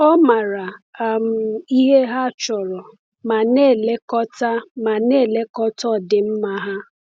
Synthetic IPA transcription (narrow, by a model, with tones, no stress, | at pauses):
ɔ˦ma˨ɾa˨m̩˨i˦ɦe˦ɦa˦˨t͡ʃɔ˨ɾɔ˨ | ma˨ne˦˨le˦kɔ˦ta˦ma˨ne˦˨le˦kɔ˦tɔ˦˨dɪ˨m̩˦ma˦ɦa˦